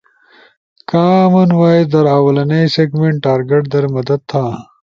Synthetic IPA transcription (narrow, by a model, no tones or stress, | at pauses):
kaːmɐnwaːed̪ɐɾaːwɐlɐnejseːɡmeɳʈʈːaːɾɡeʈ̚d̪ɐɾmɐd̪ɐd̪̚t̪ʰaː